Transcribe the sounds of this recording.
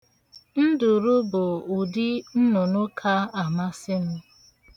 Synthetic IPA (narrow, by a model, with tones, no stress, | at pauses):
n̩˦dʊ˨ɾʊ˦bʊ˨u˨di˦n̩˦nʊ˨nʊ˦kʰa˦a˨ma˦sɪ˦nʊ˦